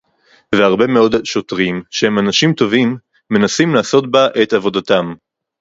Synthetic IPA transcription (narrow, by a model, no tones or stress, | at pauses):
veaʁbe̞meo̞d̪ʃo̞tʁimʃehemanaʃimt̪o̞vimː | e̞nasimlaːso̞tbaʔet̪avo̞dat̪am